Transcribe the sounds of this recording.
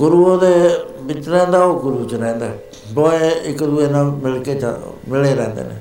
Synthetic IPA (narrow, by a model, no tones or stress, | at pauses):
ɡʊɾuːõːd̪eːbɪt͡ʃɾɛ̃ːnd̪aːoːɡʊɾuːt͡ʃɾɛ̃ːnd̪a̰ː | boeɪkd̪ueːnaːmɪlkeːt͡ʃa̰ | mɪleːɾɛ̃ːnd̪ḛːnḛː